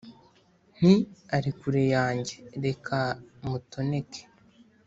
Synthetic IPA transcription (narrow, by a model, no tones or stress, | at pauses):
n̥iaɾikuɾe̞jaːɲɟe̞ɾe̞kʰamuto̞ne̞kʰe̥